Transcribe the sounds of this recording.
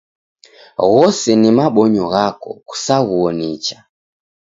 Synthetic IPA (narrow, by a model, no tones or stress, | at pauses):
ɣɔsɛnimaɓɔɲɔɣakɔ̰ku̥saɣuɔnɛt͡ʃa